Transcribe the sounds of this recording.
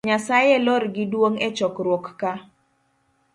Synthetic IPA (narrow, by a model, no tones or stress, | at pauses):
ɲasajelɔɾɡɪdwoŋɛt͡ʃɔkɾwɔkːa